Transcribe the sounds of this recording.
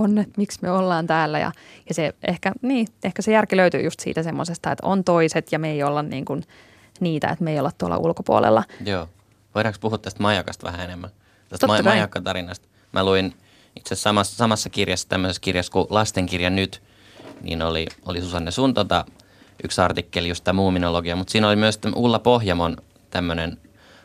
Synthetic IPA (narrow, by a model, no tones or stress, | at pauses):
onːet̪miksmyøolːɑːnt̪æːlːæjɑ̰jɑseʔehkæniːehkæsejærkiløyt̪y̰ːjust̪sḭːt̪æsemːosest̪ɑḛt̪o̰nt̪oiset̪jɑmeiolːɑnnḭːŋkun | niːt̪æ̰ḛt̪meijolːɑt̪t̪uo̰lːɑ̰ʔṵlkopuo̰lḛlːɑjoː | ʋoiɾɑkspuhut̪ːæst̪mɑjɑkɑst̪ʋæ̰hæenemːæn | t̪æst̪ɑːmɑjɑkːɑt̪ɑɾinɑst̪ | mʔæluin | it̪sessɑmɑssɑmɑsːɑkirjɑsːæt̪æmːøseskirjɑskulɑst̪eŋkirjɑnnyt̪ | nḭːnoliolisusɑnːesunt̪ot̪ɑ | ʔyksɑrt̪ikːeljust̪ːɑmuːminoloɡiɑmut̪siːnolimyøst̪æʔulːɑpohjɑmon | t̪æmːønen